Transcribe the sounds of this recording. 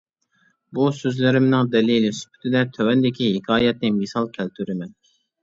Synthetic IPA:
busøzlɪɾɪmnɪŋd̪ɛlilɪsy̥pʰy̥t̪ʰɪd̪ɛt̪ʰøwɛnd̪ɪkʲiɦɪkʰɑːjɛt̪nɪmɪsɑlˠkʲʰælt̪ʰyɾɪmɛn

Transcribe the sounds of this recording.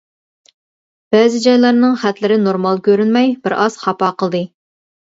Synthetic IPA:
b̥ɛːzɪd͡ʒɑjlˠɑɾnɨŋχæt̪lɪɾɪnoɾmɑlˠkʲʰøɾynmɛjbɪɾɑz̥χɑpɑqəlˠd̪ɨ

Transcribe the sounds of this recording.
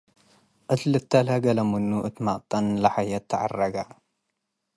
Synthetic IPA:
ʔɨt̪lɨt̪ːɐlhɐɡɐlɐmunːuʔɨt̪maʔt̪ʼːɐnlaħajɐt̪ʰːɐʕa̰rːɐɡa

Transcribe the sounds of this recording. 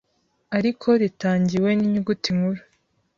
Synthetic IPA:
aɾikʰo̞ɾitaːɲɟiwe̞niɲuɡutiŋɡuɾu

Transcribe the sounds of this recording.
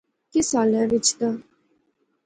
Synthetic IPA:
kɪsaːlɛːʋɪt͡ʃt̪a

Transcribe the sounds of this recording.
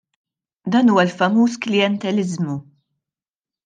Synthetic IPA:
d̪ɐːnuːwɐlfɐmuːsklɪjɛnt̪ɛlɪzmu

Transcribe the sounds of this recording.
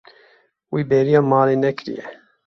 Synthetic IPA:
wiːbɛːɾijɑːmɑːleːnɛkɨɾḭjɛ̰

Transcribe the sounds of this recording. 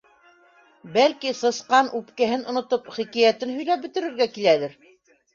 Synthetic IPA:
bælkisɤ̆sqɑnʔʉpkæɦɘnʔŏnŏt̪opχikæjæt̪ɘnɦɵ̆jlæp̚bɘ̆t̪ɘ̆ɾɘ̆ɾɡækilælɘɾ

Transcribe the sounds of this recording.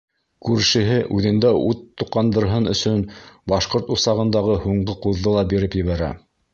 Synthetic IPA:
kʉɾʃɘ̆ɦɘʔʉðɘ̆nd̪æʔut̪ːuqːɑnd̪ɤ̆ɾɦɤnɵ̆sɵnbɑʃqoɾt̪usɑʁɤ̆nd̪ɑʁɤhuɴɢɤquðːɤlˠɑbiɾɘpjɘ̆βæɾæ̰

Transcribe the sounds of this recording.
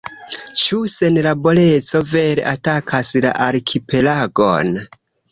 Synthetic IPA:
t͡ʃuse̞nlabo̞le̞t͡so̞ve̞ɾe̞̰ʔatakʰasla̰ʔaɾkʰipe̞laɡo̞̰n

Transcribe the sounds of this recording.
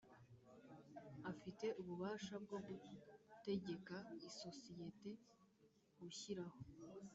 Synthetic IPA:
afite̞ʔuβuβaːʃab̚ɡo̞ɡute̞ɟe̞kaiso̞sije̞te̞ | ɡuçiɾaho

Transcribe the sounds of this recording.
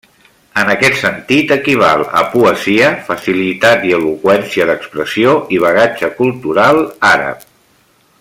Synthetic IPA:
ənəkɛt̪sənt̪it̪əkiβ̞a̰lˠə̰puəziəfəsilit̪at̪iəlukwɛnsiəðəkspɾəsioʔiβ̞əɣad͡ʒəkulˠt̪uɾalˠaɾə̰p̚

